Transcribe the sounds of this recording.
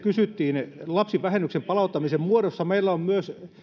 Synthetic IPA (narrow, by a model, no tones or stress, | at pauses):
kysyt̪ːiːnlɑpsiʋʋæhenːyksempɑlɑut̪ːɑmisemmuodosːɑmeilːæommyøs